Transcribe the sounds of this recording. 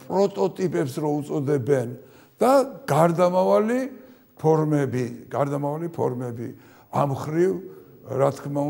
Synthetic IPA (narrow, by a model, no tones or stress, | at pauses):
pʼɾɔt̪ʼɔt̪ʼipʼɛpsɾɔut̪sʼɔd̪ɛbɛn | d̪̥aɡ̥aɾd̪amavali | pʰɔɾmɛbiɡ̥aɾd̪amavalipʰɔ̰ɾmɛbḭ | amχɾiv | ɾat̪ʰkʰma